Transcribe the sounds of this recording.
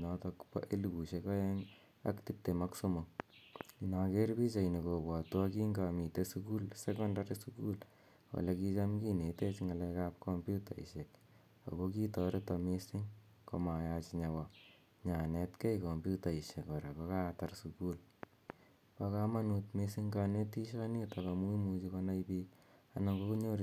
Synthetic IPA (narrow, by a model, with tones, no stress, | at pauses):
nɔ˧tɔ˧kpa̰ʔe˦luku˨ʃe˨ka˦je˦ŋ | a̰˦kti˦p̚te˨ma˦kso˦mo˨ | i˨nake˦ɾpi˦t͡ʃa˨ini˨ko˨ba˨twa˦ki˦ŋɡa˨mi˨te˦suku˦lse˦kɔ˦ndaɾisuku˦l | wa̰˨leki˦t͡ʃa˦mki˦ne˨te˦t͡ʃŋa˨lɛ˧ka˦p̚kompjuta˨ḭ˨ʃe˨k | a̰˨ko˦ki˦tɔ˨ɾe˦tɔ˧misi˦ŋ | koma˨jat͡ʃiɲa˨wɔ˨ | ɲa˨nɛ˨tke˦jkɔ˨mbju˦ta˨i˨ʃe˨kɔ˨ɾa˨pa˦ka˦tarsuku˦l | pa˦ka˦ma˦nutmi˧si˦ŋka˧ne˦ti˦ʃa˦ni˦ta˨ka˨mu˦i˦mut͡ʃi˧ko˧na˦jpiː | a̰˨naŋɡo˦ku˦ɲo˦ɾ